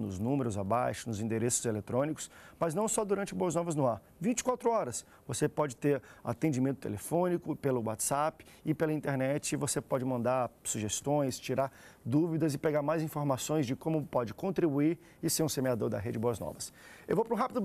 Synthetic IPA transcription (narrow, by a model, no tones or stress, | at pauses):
nʊznũmeɾʊzabajʃʊnʊzĩnd̪eɾesʊ̥zelet̪ɾõnikʊ̥smɐznɐ̃w̃sɔd̪uɾɐ̃nt͡ʃɪboɐznɔvɐznʊaɾ | vĩnt͡ʃɪ̥kwat̪ɾʊɔɾɐs | vosepɔd͡ʒɪt̪eɾa̰t̪ẽd͡ʒimẽnt̪ʊ̥t̪ḛlefõnikʊpelʊwat̪sapɪ̥ | ɪpelɐĩnt̪eɾnɛt͡ʃɪvosepɔd͡ʒɪmɐ̃nd̪aɾsuʒest̪õj̃st͡ʃiɾaɾd̪uvid̪ɐzɪpeɡaɾmajzĩfoɾmasõj̃zd͡ʒɪkõmʊpɔd͡ʒɪkõnt̪ɾibuiɾ | ɪseɾũsemead̪o̰ɾd̪ɐ̰ɦed͡ʒɪɪboɐznɔ̰vɐsewvowpɾũɦapɪd̪ʊ